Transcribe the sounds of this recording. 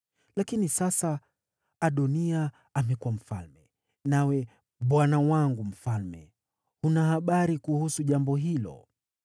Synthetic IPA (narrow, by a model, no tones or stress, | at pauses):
lakinisasaː | ɗɔnia | amɛkuwam̩fa̰lmɛ | nawɛ | ɓwanawaŋɡum̩falmɛ̰ | hunahaɓaɾikuhusuʄambɔɦilɔ̰